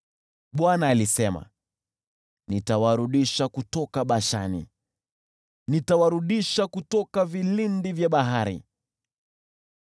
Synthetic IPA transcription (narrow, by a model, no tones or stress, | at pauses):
ɓwanaːlisɛma̰ | nitawaɾuɗiʃakutɔkaɓaʃa̰nḭ | nitawaɾuɗiʃakutɔkavilindivjaɓaɦaɾḭ